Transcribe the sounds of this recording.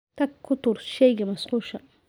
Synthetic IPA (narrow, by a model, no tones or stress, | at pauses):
t̪ʰɐkkʰːʊt̪ʊɾʃɛjɡɐmɐsqʊʃɐ